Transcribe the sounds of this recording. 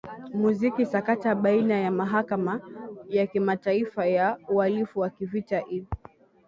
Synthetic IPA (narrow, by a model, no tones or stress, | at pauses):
muzikisakataɓainajamaɦakamajakimataifajaualifuwakivitaʔiv